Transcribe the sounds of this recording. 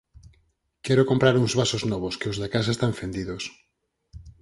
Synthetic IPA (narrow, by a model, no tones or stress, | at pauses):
kɛɾokompɾaɾuŋzβasoznɔβ̞oskɪozðakasaest̪aɱfend̪iðos